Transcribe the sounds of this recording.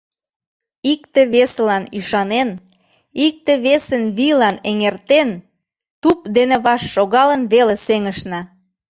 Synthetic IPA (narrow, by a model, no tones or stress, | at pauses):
ikt̪ĕβeslɑniʃɑnen | ik̚t̪eβesənβilɑneŋert̪en | t̪upd̪enĕβɑʃːoɣɑlənβeleseŋəʃnɑ